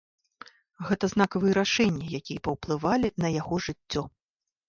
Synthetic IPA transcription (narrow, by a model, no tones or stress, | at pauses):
ɣɛt̪ɐznakɐvɨjɛɾaʂɛnʲːɐjakʲijɐpɐwplˠɨvalʲinɐjaɣɔʐɨt͡sʲːɔ